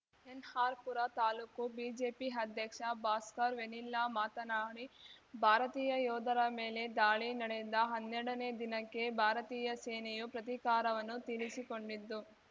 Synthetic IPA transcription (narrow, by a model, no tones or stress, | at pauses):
enhaːɾpuɾɐt̪aːlukubiːd͡ʒeːpiɐd̪ʱjɐkʂɐbaːskɐɾʋenilːaːmaːt̪ɐnaːɳibʱaːɾɐt̪iːjɐjɔːd̪ʱɐɾɐme̞ːle̞d̪aːɭinɐɽed̪ɐɦɐnːɛɽɐne̞ːd̪inɐkːe̞bʱaːɾɐt̪iːjɐseːnejupɾɐt̪ikaːɾɐʋɐnːut̪ilisiko̞ɳɖid̪ːu